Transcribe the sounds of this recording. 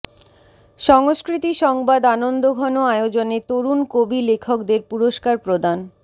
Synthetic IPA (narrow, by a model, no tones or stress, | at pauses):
ʃɔŋoskɾit̪iʃɔŋbad̪anond̪oɡʱɔnoaeod͡ʑonet̪oɾunkobilekʰokd̪eɾpuɾoʃkaɾpɾod̪an